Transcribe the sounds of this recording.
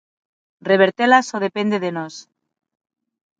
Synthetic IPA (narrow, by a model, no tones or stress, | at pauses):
reβeɾt̪elasoð̞epe̞nd̪eðenos